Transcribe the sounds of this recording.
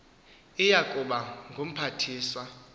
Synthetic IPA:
ijakʼuɓaŋɡʱom̩pʰatʰiːswa

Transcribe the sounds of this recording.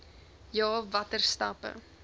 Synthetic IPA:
jɑːvɐtərstɐ̰pə̰

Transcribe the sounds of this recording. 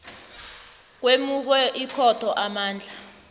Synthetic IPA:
k̬wemuk̬wɛʔikʰɔtʰɔʔamaːnd͡ɮʱa

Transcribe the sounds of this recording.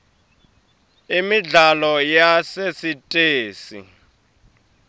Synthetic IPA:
imiɮalɔjasesitʼeːsḭ

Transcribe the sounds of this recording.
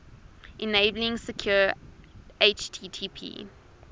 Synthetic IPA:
ʔɛneɪblɪ̃ŋsəkʰj̥ɔː | eɪt͡ʃtʰiːtʰipʰḭː

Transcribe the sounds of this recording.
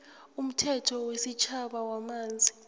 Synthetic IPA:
um̩tʰɛtʰɔwesit͡ʃʰaɓawamaːnd͡zʱi

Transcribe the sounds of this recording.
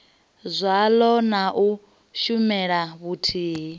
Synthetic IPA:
zʷalɔnaʔu | ʃumɛɺaβutʰiː

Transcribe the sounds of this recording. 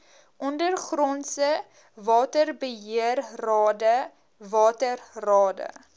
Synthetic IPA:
ʔɔndərχrɔnsə | vɑːtərbəɦiərrɑːdə | vɑːtərrɑːdə̰

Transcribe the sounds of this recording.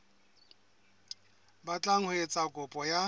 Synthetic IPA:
bat͡ɬʼaŋ̩hʊet͡sʼakʼʊpʼɔja

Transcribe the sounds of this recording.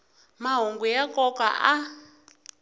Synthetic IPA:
maɦuŋɡujakɔka̰ʔa

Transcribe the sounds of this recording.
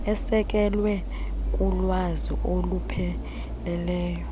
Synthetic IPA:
ɛsɛk̬ʼɛlwɛ | k̬ʼulwazḭʔolupʰɛ | lɛlɛːjɔ

